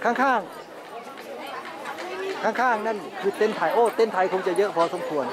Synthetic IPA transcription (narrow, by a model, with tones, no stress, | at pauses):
kʰaː˧˥˩ŋkʰaː˥˩ŋ | kʰaː˧˩ŋkʰaː˧˥˩ŋna˧˥˨nkʰɯː˧t̪e˧˨nt̪ʰa˧˩jʔoː˧˩t̪e˧˥˨nt̪ʰa˧jkʰo˧˦ŋt͡ɕa˧jɤ˦˥ʔpʰɔː˧˦so˧˦mkʰu˧ən